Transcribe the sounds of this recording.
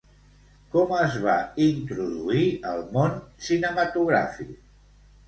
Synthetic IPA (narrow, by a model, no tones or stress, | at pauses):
kɔməzβaint̪ɾuðuiəlˠmonsinəmət̪uɣ̞ɾa̰fik